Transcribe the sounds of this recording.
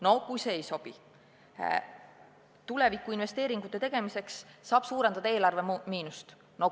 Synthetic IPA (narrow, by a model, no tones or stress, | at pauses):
no̞kujseːejso̞b̥i | t̪ule̞vikːˑuinve̞st̪e̞ːɾiŋɡ̥ut̪ːˑe̞t̪e̞ɡ̥e̞mise̞ksːɑːb̥suːɾe̞nd̪̥ɑd̪ɑe̞ːlɑrve̞miːnust̪ | no̞